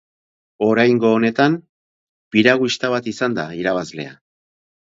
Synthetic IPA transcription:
o̞ɾajŋɡo̞ːne̞t̪am | piɾaɣust̪aβ̞at̪isand̪aiɾaβ̞azle̞̰a̰

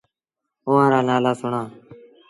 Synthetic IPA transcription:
ʊʋãːɾaːnaːlaːsʊɳãː

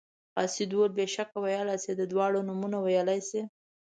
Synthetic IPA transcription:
ɑsid̪wolbeʃakawajalajsed̪əd̪wɑɽonʊmunawajalajse

